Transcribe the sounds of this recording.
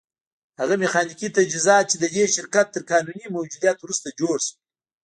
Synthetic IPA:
haɣamexɑːnikit̪ad͡ʒizɑt̪̚t͡ʃed̪əd̪eʃɪɾkat̪ːəɾkɑːnunimawd͡ʒud̪ijɑt̪wɾust̪ad͡ʒoɽs

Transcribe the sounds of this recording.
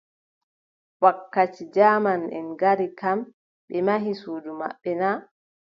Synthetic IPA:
wakːat͡ʃid͡ʒaːmanɛ̰nɡaɾikam | ɓɛmaɦisuːduma̰ɓːɛna

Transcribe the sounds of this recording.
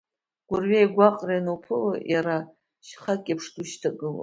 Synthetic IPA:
ɡ̥ʷʊrɥieajɡʷaqʼrianopʰɨlajaɾa | ʃχakʲʼapʰʂtʰʼuʃtʰaɡɨla̰

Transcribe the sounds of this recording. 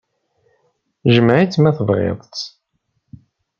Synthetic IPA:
ʒəmʕit͡sːmæθəvʁḛðˤt͡s

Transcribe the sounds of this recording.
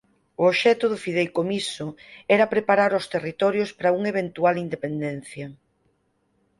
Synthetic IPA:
ʊoʃɛt̪ʊðʊfið̞elkomisʊɛɾɐpɾepaɾaɾost̪erit̪ɔɾjospɾauŋeβ̞ent̪ualind̪epend̪ɛn̟θjɐ

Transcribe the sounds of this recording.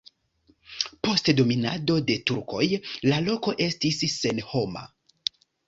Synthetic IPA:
po̞stdo̞mina̰do̞de̞tuɾko̞jlalo̞ko̞ʔe̞stisːe̞nho̞ma̰

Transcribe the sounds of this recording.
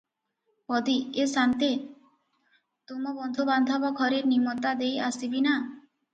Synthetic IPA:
pɔd̪iesant̪e | t̪omɔbɔnd̪ʱoband̪ʱɔbɔɡʱɔɾeɾnimɔt̪ad̪ejasibina

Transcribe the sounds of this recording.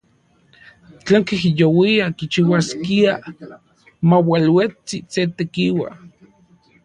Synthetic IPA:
t͡ɬeːŋkihijowiakit͡ʃiwaskia | mawalwet͡siset̪ekiwa̰

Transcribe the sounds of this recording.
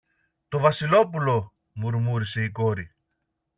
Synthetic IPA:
t̪ovɐsilo̞pulo | muɾmuɾise̞iko̞ɾi

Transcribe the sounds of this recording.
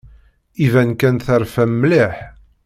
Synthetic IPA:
ivænkænθəɾfæmːliħ

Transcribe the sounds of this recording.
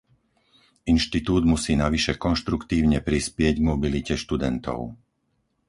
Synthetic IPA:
inʃt̪it̪uːd̪musiːnaʋiʃɛkɔnʃt̪ɾukt̪iːʊɲɛpɾispɪɛɟɡmɔbilicɛʃt̪ud̪ɛnt̪ɔ̰ʊ

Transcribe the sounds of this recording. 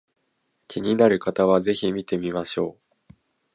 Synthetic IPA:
kʲʰiɲ̟inaɾɯ̟kat̪aβ̞aze̞çimʲit̪e̞mʲimaɕo̞ː

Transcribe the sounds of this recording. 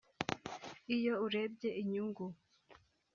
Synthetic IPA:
ijo̞uɾe̞b̚ɟe̞ʔiɲuŋɡu

